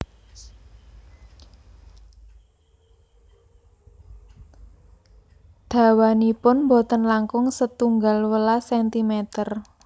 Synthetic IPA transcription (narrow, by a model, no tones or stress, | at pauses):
d̪̥a̤wanipʊnmbɔt̪ənlaŋkʊŋsət̪uŋɡalwəlasɛnt̪imet̪ər